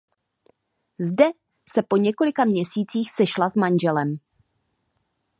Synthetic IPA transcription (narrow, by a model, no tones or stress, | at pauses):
zdɛ | sɛpo̞ɲɛko̞lɪkamɲɛsiːt͡siːxsɛʃlazmanʒɛlɛm